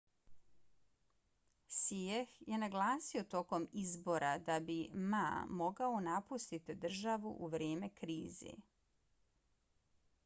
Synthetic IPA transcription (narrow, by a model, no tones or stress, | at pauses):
siexje̞naɡlˠaːsio̞t̪o̞ko̞mizbo̞ɾad̪abima̰mo̞ɡaonapust̪it̪id̪r̩ʒaʋuʔuʋɾeːme̞kɾiːzḛ